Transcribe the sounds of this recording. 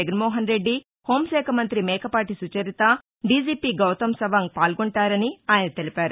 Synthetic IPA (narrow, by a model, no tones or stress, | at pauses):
eɡɐnmɔːɦɐnɾeɖːi | ho̞ːmʃɛːkʰɐmɐnt̪ɾimɛːkʰɐpaːʈisut͡ʃɐɾit̪ɐ | ɖiːd͡ʒiːpiːɡɐwt̪ɐmsɐʋaːŋpaːlɡoɳʈaːɾɐniaːjɐnɐt̪e̞lipaːɾu